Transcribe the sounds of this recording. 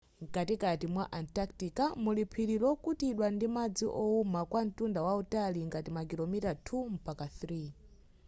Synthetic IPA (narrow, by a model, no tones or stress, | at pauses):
ŋkatikatimwaʔantaktikamulipʰiɾiɾɔkutiɗwandimad͡ziʔɔumakwan̩tundawautaliŋɡatimak̬ilɔmitatʰum̩pakaθri